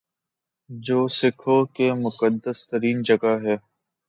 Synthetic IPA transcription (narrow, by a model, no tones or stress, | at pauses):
d͡ʒoːsɪkʰokemʊkəd̪ːəst̪əɾiːnd͡ʒəɡaɦɛː